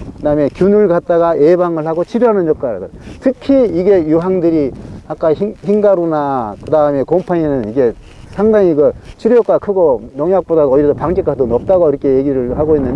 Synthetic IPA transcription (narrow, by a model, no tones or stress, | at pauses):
kɯdame̞kjunɯɭɡat̚t͈aɣae̞baŋɯɭhaɡot͡ɕʰiɾjoɦanɯnjok͈aɾɡɯtʰɯkʰiiɡe̞juɦaŋdɯɾiak͈aiŋçiŋɡaɾunakɯdaɯme̞kompʰaɲenɯniɡe̞ | sʰaŋdaŋiɡɯt͡ɕʰiɾjok͈akʰɯɡojʌŋjak̚p͈odaʌiɾeopaŋd͡ʑek͈ʰadonʌp̚t͈aɡoiɾʌkʰe̞jeɡiɾɯɭhaɡoinːɯnd